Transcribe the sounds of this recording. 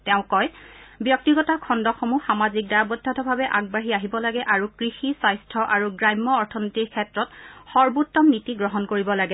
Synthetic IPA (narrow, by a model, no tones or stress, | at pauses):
tɛʊ̃kɔjbjɔk̚tiɡɔtakʰɔndɔxomuxamazik̚daɹabɔdʱatʰɔbʱabɛʔaɡ̚baɦiaɦibɔlaɡɛʔaɹukɹixisajstʰɔʔaɹuɡɹajmːɔːɹtʰɔnitikʰɛtɹɔtxɔɹbutːɔmnitiɡɹɔɦɔnkoɹibɔlaɡɛ